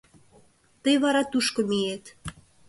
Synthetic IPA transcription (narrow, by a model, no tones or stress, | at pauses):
t̪əjβɑɾɑt̪uʃkŏmijet̪